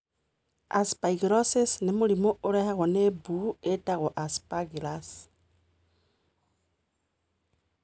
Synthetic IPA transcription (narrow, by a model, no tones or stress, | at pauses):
a̰spaiɡiɾosesnemulimouɾehaɣonebuetaɣoʔaspaɡilas